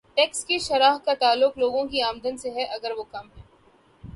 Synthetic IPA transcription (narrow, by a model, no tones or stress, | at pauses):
ʈɛːkskiʃɐɾaːɦkat̪aːlːʊkloːɡõkiaːmd̪ənseɦɛʔɐɡəɾʋoːkɐmɦɛː